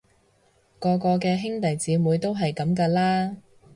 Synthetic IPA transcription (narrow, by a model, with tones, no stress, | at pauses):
kɔː˧kɔː˧kɛː˧ɦɪ˥ŋt̪ɐ˨jt͡siː˨˧muː˨˧˥jt̪o˥wɦɐ˨jkɐ˨˥mkaː˧laː˥